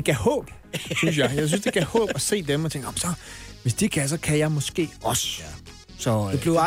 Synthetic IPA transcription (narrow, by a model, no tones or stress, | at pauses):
eɡ̥æhɔ̰̽ːb̥ | synsjɑ̈ɪjɑ̈ɪs̬ynsd̥eɡ̥æhɔ̰ːb̥æse̝̰ːd̥emɒt͡sʰe̝ŋɡ̥ɒmsɒ̽ʋe̝sd̥ikʰæs̬ɒ̽kʰæjɑ̈ɪmɒ̽sɡ̥e̝̰ːɒ̽sə̥ | sɒ̽eb̥le